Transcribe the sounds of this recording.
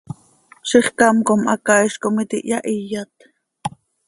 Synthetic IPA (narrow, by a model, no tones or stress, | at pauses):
ʃiχkɑmkomʔɑkɑiʃkomit̪ḭʔjɑʔijːɑt̪